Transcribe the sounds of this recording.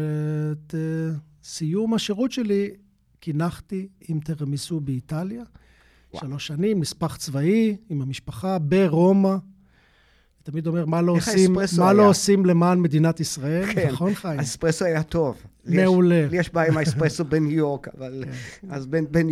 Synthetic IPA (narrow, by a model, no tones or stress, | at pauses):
ete | sijumaʃeʁut̪ʃe̞li | kinaχt̪iimt̪eʁmisubeit̪alja | ʃalo̞ʃanimːispaχt͡svaiimamiʃpaχabeʁo̞ma | it̪amid̪o̞me̞ʁmalosimsmaloosimle̞maːnme̞d̪inat̪isʁae̞lkneχonχajespʁesoajat̪ov | meuleljeʃbajimaespʁesobenjoʁkavalazbenben